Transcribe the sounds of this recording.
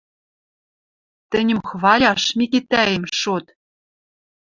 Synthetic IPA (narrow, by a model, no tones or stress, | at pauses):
t̪ɘ̆nʲɘ̆mxβɑlʲɑʃmʲikit̪æemʃot̪